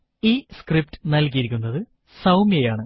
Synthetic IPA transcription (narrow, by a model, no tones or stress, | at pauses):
iːskrip̚tɨ̥nɐlk̬ijɐɾikʲːunːɐðɨ | sɐwmjejaːɳɨ